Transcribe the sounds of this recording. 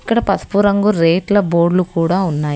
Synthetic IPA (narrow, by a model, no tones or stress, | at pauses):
ikːɐɽɐpɐspuɾɐŋɡuɾeːʈlɐboːɾɖlukuːɽaːunːaːji